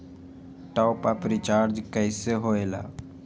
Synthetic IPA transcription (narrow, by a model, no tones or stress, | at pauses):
ʈɔːpaːpɾit͡ʃaːɾd͡ʒkəɪseɦoːeːla̰ː